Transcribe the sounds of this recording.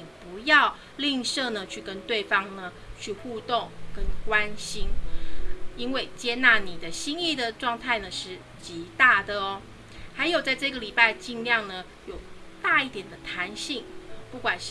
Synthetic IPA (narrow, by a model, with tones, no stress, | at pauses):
i˨˩pu˨˦jɑ˥˧ʊ | li˥˧ŋʂɤ˥˧nə˩˨t͡ɕʰy˥˩kə˦nt̪we˥˩ɪfɑ˥ŋnə˨ | t͡ɕʰy˥˧xu˥˧t̪o˥˩ŋkə˦nkwa˦˥nɕi˥n | i˦˥nwe˥˩ɪt͡ɕjɛ˥na˥˩ni˨˩d̪ə˦ɕi˥ŋi˥˩d̪ə˨ʈ͡ʂwɑ˥˧ŋt̪ʰa˥˩ɪnə˩ʂɻ̩˥˩ | t͡ɕi˧˥t̪a˥˩d̪ə˩ɔ˨˩ | xa˧˥ɪjo˨˩ʊt͡sa˥˧ɪʈ͡ʂɤ˥˩ɡə˨˩li˨˩pa˥˧ɪt͡ɕi˥˧ŋljɑ˥˩ŋnə˩ | jo˨˩ʊt̪a˥˧i˥˩t̪jɛ˨˩nd̪ə˦t̪ʰa˧˥nɕi˥˩ŋpu˥˩kwa˨˩nʂ